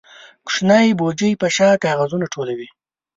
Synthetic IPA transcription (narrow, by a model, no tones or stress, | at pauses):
kʂnajbod͡ʒəjpaʃɑkɑːɣazunaʈʰolawi